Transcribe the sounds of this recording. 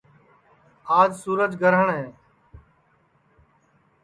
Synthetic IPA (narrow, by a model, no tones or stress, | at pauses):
aːd͡ʒsuːɾəd͡ʒɡəɾəɳɦɛ̃ː